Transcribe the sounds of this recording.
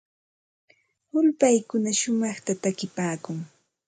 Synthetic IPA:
ʊlpajkʊnaʃʊmɑχt̪at̪akɪpaːkʊŋ

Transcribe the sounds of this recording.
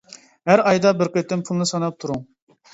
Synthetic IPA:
ɦæɾɑjd̪ɑbɪɾqet̪ːɪmpʰulˠnɨsɑnɑp̚t̪ʰuɾuŋ

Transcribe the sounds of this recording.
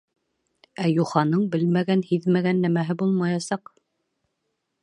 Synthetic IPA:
æjuχɑnɤɴbɘlmæɡænhiðmæɡænːæmæɦɘbulˠmɑjɑsɑq

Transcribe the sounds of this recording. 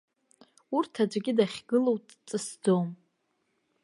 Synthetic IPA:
urtʰad͡ʒʷʼɡʲɪdaχʲɡɨlowtʼt͡sʼɨsd͡zom

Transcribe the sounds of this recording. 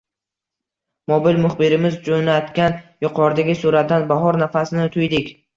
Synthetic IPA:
mobɪlmʊχbɪɾɪmɪzd͡ʒonat̪kʲanjʊqʰɒɾd̪aɡʲɪsuɾat̪̚d̪anbaɦɒɾnafasɪnɪt̪ʰʊjd̪ɪkʲ

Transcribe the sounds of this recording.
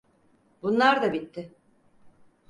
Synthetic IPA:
bunlˠaɾd̪abit̪ːɪ

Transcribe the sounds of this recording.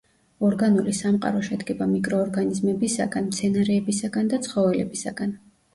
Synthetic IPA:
ɔɾɡanulisamqʼa̰ɾɔʃɛd̪ɡɛbamikʼɾɔːɾɡanizmɛbisa̰ɡanmt̪sʰɛnaɾɛːbisaɡand̪at̪sʰχɔvɛlɛ̰bisa̰ɡ̥an

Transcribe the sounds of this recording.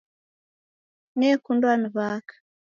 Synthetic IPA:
nɛkundwaniβakḁ

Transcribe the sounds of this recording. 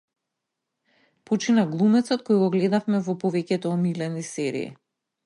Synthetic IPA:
pot͡ʃinaɡlˠumɛt̪sɔt̪̚kojɡɔɡlɛd̪afmɛvɔpɔvɛcɛt̪ɔːmilɛnisɛɾḭḭ

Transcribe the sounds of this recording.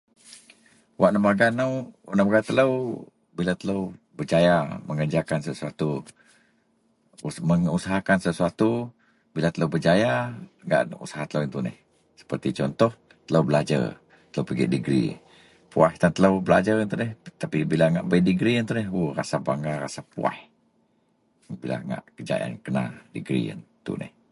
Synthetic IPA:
wʔaʔnəmaɡanawʔnəmaɡat̪ələw | bilat̪ələw | bəd͡ʒajaməŋəd͡ʒakansəsuat̪u | məŋusaɦakansəsuat̪u | bilat̪ələwbəd͡ʒajaɡa̰ʔṵsḁɦat̪ələwint̪unɛ̰h | sə̥pərt̪it͡ʃɔnt̪ɔh | t̪ələwbəlad͡ʒə̰r | t̪ələwpəɡḭʔdiɡɾḭ | puaht̪ant̪ələwbəla̰d͡ʒarint̪unɛht̪apibilaŋaʔbəidiɡɾiənt̪unɛhurasabaŋɡara̰sapua̰h | bila̰ŋa̰ʔkəd͡ʒa̰ḭa̰nkəna̰diɡɾḭə̰nt̪ṵnɛ̰h

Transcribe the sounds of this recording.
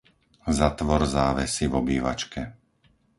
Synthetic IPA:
zat̪ʋɔɾzaːʋɛsivɔbiːʋa̰t͡ʃkɛ

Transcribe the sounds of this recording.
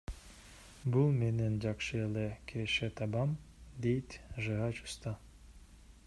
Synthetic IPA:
bulˠmenend͡ʒɑqʃɯelʲekʲʰeʃet̪ʰɑbɑmd̪ejt̪ʒɨɑt͡ʃu̥st̪ɑ

